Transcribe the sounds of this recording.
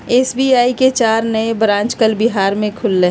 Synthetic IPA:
eːsbiaːiket͡ʃaːɾnəebɾãːnt͡ʃkəlbɪɦaːɾmẽkʰʊlːeː

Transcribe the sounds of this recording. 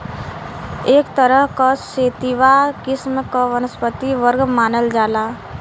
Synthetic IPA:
eːkt̪əɾəɦkaseːt̪iʋakɪsmkəʋənəspət̪iʋəɾɡmaːnəld͡ʒaːlaː

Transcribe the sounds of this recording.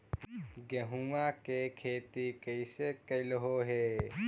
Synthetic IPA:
ɡeɦuãkekʰeːt̪ikəɪsekəlɦoɦeː

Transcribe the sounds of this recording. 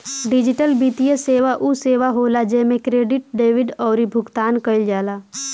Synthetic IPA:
ɖɪd͡ʒɪʈəlbiːt̪ijəseːʋaʔuseːʋaɦoːlad͡ʒeɦmẽkɾeːɖɪʈ̚ɖeːʋɪɖɔːɾibʱʊɡt̪aːnkəɪld͡ʒaːlaː

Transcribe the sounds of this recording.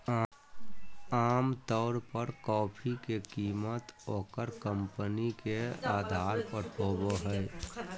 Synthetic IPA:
aːmt̪ɔːɾpəɾkɔːpʰikekiːmət̪ɔːkəɾkəmpənikeaːd̪ʱaːɾpəɾʰoːboɦɛ

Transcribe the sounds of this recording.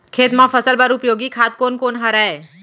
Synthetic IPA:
kʰeːt̪mãfəsəlbəɾʊpjoɡikʰat̪̚konkonɦəɾae

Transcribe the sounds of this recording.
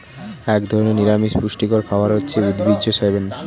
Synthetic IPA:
ɛkd̪ʱɔɾoneniɾamiʃpuʃʈikoɾpʰaoaɾɦotːɕʰeud̪bid͡ʑoʃajben

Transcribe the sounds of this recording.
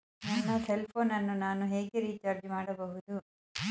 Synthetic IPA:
nɐnːɐselpʰoːnɐnːunaːnuɦe̞ːɡeɾiːt͡ʃaɾd͡ʒmaːɽɐbɐɦud̪u

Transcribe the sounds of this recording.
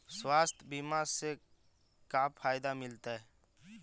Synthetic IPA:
swaːst̪ʰbiːmaɾse | kaːpʰaːɪd̪amɪlt̪aɦɛ

